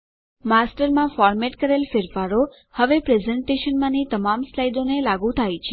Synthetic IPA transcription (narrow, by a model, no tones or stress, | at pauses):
masʈəɾmãfɔɾmeʈkəɾelfɪɾfaɾo | həʋepɾezɛɳʈeʃənmãnit̪əmamslajd̪onelaɡut̪ʰajt͡ʃʰe